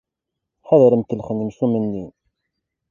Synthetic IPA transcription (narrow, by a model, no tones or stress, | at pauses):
ħæðɾəmkəlχənimsumənːi